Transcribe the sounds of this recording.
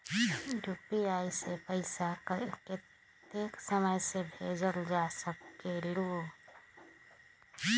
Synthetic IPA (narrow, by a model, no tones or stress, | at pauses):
ɖʱʊpiaːisepəɪsakəke | t̪eːksəməjsebʱeːd͡ʒəld͡ʒaːsəkkeɾɽuː